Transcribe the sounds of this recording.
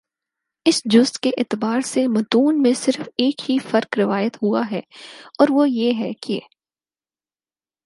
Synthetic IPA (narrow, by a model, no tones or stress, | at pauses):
ɪsd͡ʒʊst̪keʔɪːt̪ɪbaːɾsemɐt̪uːnmẽsɪɾfeːkɦifɐɾkɾɪʋaːjət̪ɦuaɦɛːɔːɾʋojeɦɛke